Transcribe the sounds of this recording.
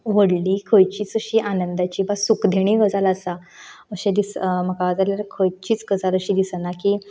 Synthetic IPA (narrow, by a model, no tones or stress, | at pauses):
ʋəɽlikʰəjt͡ɕiːt͡səɕiːʔanənd̪at͡ɕiːbasukd̪ʱeɽ̃ĩɡəd͡zaləsa | əɕẽd̪ism̤əkad͡zaljaɾkʰəjt͡ɕiːt͡sɡəd͡zaləɕiːd̪isənakiː